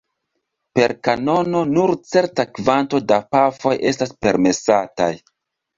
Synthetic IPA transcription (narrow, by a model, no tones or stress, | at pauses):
pe̞ɾkano̞no̞nuɾt͡se̞ɾtakvanto̞dapafo̞jʔe̞staspe̞ɾme̞sata̰j